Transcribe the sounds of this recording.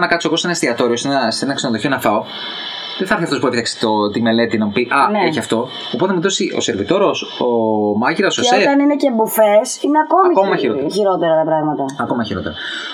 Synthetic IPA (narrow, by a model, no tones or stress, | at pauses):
nɐkɐt̪soɣo̞senɐst̪iɐt̪o̞ɾio̞senɐsenɐksenoðoçionɐfɐo̞ | ðeθɐɐɾθiɐft̪o̞spueit̪ɐkse̥t̪ot̪ime̞le̞t̪inɐmupiʔɐneçiɐft̪o̞ | opt̪emuðosiʔo̞̰se̞ɾvit̪o̞ɾo̞somɐʝiɾɐsosoet̪ɐninecebufesineɐko̞ɐmikomɐmɐiɾoçiɾot̪eɾɐt̪ɐpɾɐɣmɐt̪ɐɐkomɐçiɾo̞t̪e̞ɾɐ